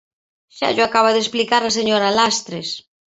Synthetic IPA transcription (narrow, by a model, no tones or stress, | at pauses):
ʃa̰ʎoakaβ̞aðesplikaɾaseɲoɾalast̪ɾes